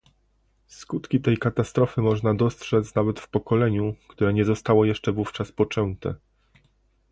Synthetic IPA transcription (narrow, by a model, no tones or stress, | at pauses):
skut̪kʲit̪ɛjkat̪ast̪ɾɔfɘmɔʐnad̪ɔstʂɛt̪snavɛt̪fpɔkɔlɛɲukt̪uɾɛɲɛzɔst̪awɔjɛʂt͡ʂɛvuft͡ʂaspɔt͡ʂɛnt̪ɛ̰